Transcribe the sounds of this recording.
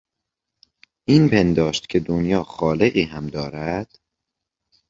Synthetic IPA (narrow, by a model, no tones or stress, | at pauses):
ʔiːnpʰe̞nd̪ɒːʃt̪cʰe̞d̪onjɒːxɒːle̞ɣiːɦæmd̪ɒːɾæd̪̥